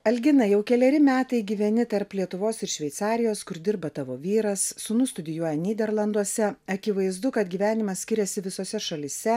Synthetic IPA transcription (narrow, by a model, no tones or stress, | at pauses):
ɐlʲɡʲɪnɐjɛʊkʲɛlʲɛɾʲɪmʲæːt̪ɐɪɡʲiːʋʲɛnʲɪt̪ɐɾplʲiɛt̪ʊʋoːsɪɾʃʲʋʲɛɪt̪sɑːɾʲɪjoːskʊɾd̪ʲɪɾbɐt̪ɑʋoːʋʲiːɾɐsːʊnʊst̪ʊd̪ʲɪjuɔjɛnʲiːd̪ʲɛɾlˠɐnd̪uɔsʲɛɐkʲɪʋɐɪzd̪ʊkɐt̪ɡʲiːʋʲæːnʲɪmɐssʲkʲɪɾʲɛsʲɪʋʲɪsoːsʲɛʃɐlʲɪsʲɛ